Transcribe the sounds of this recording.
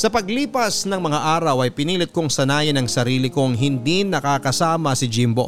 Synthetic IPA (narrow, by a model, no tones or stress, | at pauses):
sɐpɐɡliːpɐsnɐŋmɐŋaʔaːɾɐwɐjpɪniːlɪt̪̚kʊŋsɐnaːjɪnɐŋsɐɾiːlɪkoŋɦɪnd̪inɐkakɐsaːmɐsɪd͡ʒimbo̰